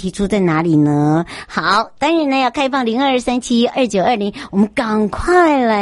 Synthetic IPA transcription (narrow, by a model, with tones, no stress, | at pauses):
t̪ʰi˧˥ʈ͡ʂʰu˥t͡sa˥˩ɪna˧˥li˨˩nə˦xɑ˨˩ʊt̪a˥nɻa˧˥nə˧jɑ˥˩ʊkʰa˥ɪfɑ˥˩ŋli˧˥ŋə˞˥˧˥sa˥nt͡ɕʰi˥ʔə˥˩t͡ɕjo˨˩ʊə˞˥˩li˧˥ŋwɔ˨˩mə˦nka˨˩ŋkʰwa˥˩ɪlə˨˩